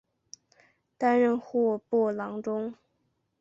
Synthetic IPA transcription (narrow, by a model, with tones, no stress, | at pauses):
t̪a˥nɻə˥˧nxɔ˥˩pɔ˥˩lɑ˧˥ŋʈ͡ʂʊ˥ŋ